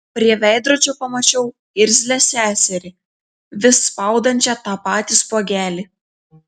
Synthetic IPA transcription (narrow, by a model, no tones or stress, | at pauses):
pʲɾʲiɛʋʲæˑɪd̪ɾoːd͡ʒʲopɐmɐt͡ʃʲɛʊ | ɪɾʲzʲlʲɛsʲæːsʲɛɾʲɪ | ʋʲɪsːpɑˑʊd̪ɐnʲt͡ʃʲɛt̪ɑːpɑːt̪ʲiːspoɔɡʲæːlʲi